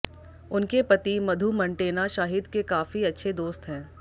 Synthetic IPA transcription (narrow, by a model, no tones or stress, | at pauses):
ʊnkepɐt̪imɐd̪ʱumɐ̃ɳʈeːnaʃaːɦɪd̪kekaːfiɐtːʃʰed̪oːst̪ɦɛ̃ː